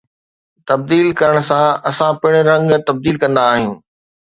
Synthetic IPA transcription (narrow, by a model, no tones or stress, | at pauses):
t̪ɐb̚d̪iːlkɐɾəɽ̃sãɐsãpɪɽ̃ɾɐ̃ŋɡt̪ɐb̚d̪iːlkɐ̃nd̪aːɦĩː